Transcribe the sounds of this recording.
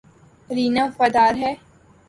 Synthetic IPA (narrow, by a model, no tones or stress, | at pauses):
ɾiːnãfɐd̪aːɾɦɛː